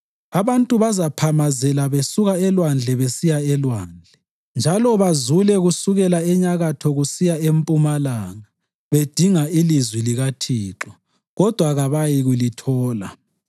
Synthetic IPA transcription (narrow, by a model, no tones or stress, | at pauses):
aβantʼuβazapʰamazɛlaβesuɣaɛlwand͡ɮʱɛβesijaɛlwaːnd͡ɮʱɛ | nd͡ʒʱalɔβazulɛɣusuɣɛlaɛɲaɣatʰɔɣusijaempʼumalaːŋa | βed̥ʱiŋailizwiliɣatʰiːǁɔ | ɣɔd̥ʱwaɣaβajiɣulitʰɔːla̰